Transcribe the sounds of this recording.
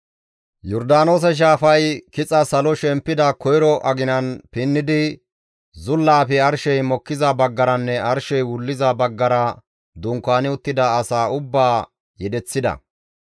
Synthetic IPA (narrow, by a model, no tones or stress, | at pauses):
jɔɾd̪aːno̞ːs̬ɛʃ̬aːfɐjkɪt͡sʼɐsɐlɔʃɛmpːɪd̪ɐkɔjɾɔʔɐɡɪnɐnpɪnːɪd̪ɪ | zʊlːaːpɛɐɾʃɛjmɔkːɪzɐbɐɡːɐɾɐnːɛɐɾʃɛjwʊlːɪzɐbɐɡːɐɾɐ | d̪ʊŋkːaːnɪʊt̪ːɪd̪ɐːsaːʊbːaː | jɛd̪ɛt͡sːɪd̪ɐ̰